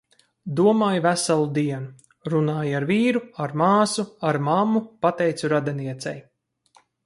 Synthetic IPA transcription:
d̪uɔmaːjvæsalˠud̪iɛnu | ɾunaːjaɾviːɾuaɾmaːsuaɾmamːupat̪ɛjt̪suɾad̪ɛniɛt̪sɛ̰j

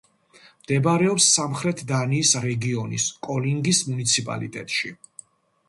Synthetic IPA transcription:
md̪̥ɛbɾɛɔpsːamχɾɛt̪ʰd̪aniːsɾɛɡiɔnḭskʼɔliŋɡismunit̪sʰipʼa̰lḭt̪ʼɛ̰t̪ʼʃi

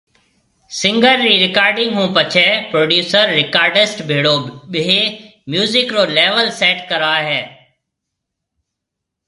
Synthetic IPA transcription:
sɪ̃ŋɡəɾːiːɾɪkaːɾɖɪ̃ŋɡɦũːpət͡ʃʰɛːpɾoːɖjuːsəɾːɪkaːɾɖɪsʈbʱeːɽoːɓeeːmjuːzɪkɾoːlɛːʋəlsɛːʈkəɾaːɦɛː

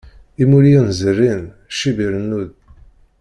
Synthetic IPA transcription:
imuɾjinzərːin | ʃibiɾənːuð

